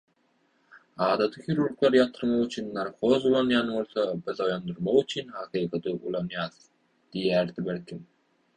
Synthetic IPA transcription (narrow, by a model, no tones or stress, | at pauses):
ɑːd̪ɑt̪ʰɯxiɾuɾklˠɑɾjɑt̪ʰɯɾmɑʁyt͡ʃʰynːɑɾkʰozulˠɑnjɑnbolˠsobizojɑnd̪uɾmɑʁyt͡ʃʰynhɑqiːqɑt̪ʰɯʔulˠɑnjɑːz̥ | d̪̥ijæɾd̪ibeɾkim